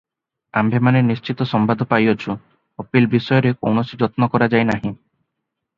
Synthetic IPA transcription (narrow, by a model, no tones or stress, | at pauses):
a̰mbʱemanenist͡ʃit̪ɔsɔmbad̪ʱɔpajɔt͡ʃʰu | ɔpilbisɔjɔɾeko̰wnɔsid͡ʒɔt̪nɔkɔɾad͡ʒajnaɦĩ